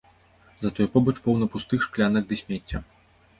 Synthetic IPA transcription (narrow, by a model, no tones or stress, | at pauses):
zɐt̪ɔjpɔbɐt͡ʂpɔwnɐpust̪ɨxʂklʲanɨɣd̪ɨsʲmʲɛt͡sʲːɐ